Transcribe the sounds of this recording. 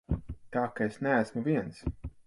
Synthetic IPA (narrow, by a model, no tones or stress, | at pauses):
t̪aːkaesnææsmuviɛns